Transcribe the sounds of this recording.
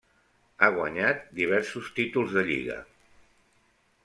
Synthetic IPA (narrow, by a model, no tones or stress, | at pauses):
aɣ̞wa̰ɲat̪̚d̪iβ̞ɛɾsust̪it̪ulˠzðəʎḭɣə̰